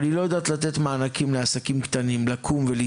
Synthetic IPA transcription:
nilo̞jed̪aːt̪lat̪et̪maːnakimleasakimkt̪animlakʰumveli

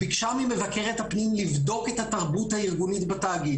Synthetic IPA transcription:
bikʃamime̞vake̞ʁethapnimlivdo̞ke̞thataʁbuthaiʁɡunit̪bataːɡi

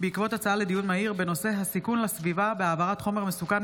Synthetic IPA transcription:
beikvo̞t̪at͡saaled̪ijunmaiʁbe̞no̞se̞ɦasikunlasvivabeaːvaʁat̪χo̞me̞ʁmesukan

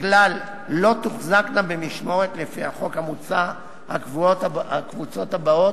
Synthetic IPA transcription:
ɡlalː | o̞t̪uχzaknabemiʃmo̞ʁet̪lefihaχo̞khamut͡sa | ha̰kvuotaakvut͡so̞t̪habao̞t

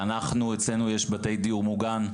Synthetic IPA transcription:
anaχnuet͡slenujeʃbate̞jdiuʁmuɡan

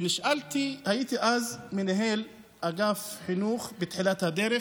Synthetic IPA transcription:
bɪʃʔalt̪ihajiːt̪iʔaːzmɪnɦeːl | ʔaɡaːfħɪnuːxbɪt̪ħilat̪had̪eːɾɪ

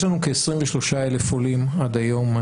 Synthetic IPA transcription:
lanukeːsʁimveʃlo̞ʃaelefolimad̪ajo̞ma

